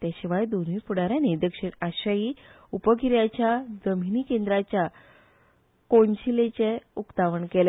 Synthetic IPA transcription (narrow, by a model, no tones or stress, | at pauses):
t̪jaɕiʋajd̪oniːpuɽaɾjaned̪əkɕiɳaɕaji | upəkiɾjat͡ɕjad͡zəminikend̪ɾat͡ɕja | koɳt͡ɕilet͡ɕeukt̪aʋəɳkele